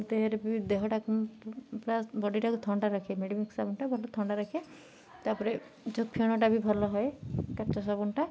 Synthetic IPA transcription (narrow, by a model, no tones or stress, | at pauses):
t̪eɦeɾebid̪eɦɔʈakupɾasbɔɖiʈakut̪ʰɔɳɖaɾɔkʰemeɖimiksabunʈabʱɔlɔt̪ʰɔɳɖaɾɔkʰe | t̪aɾpɔɾe | d͡ʒok̚pʰiɔɽ̃ɔʈ̬abʱibʱɔlɔɦɔekat͡ʃɔs̬ɔbunʈa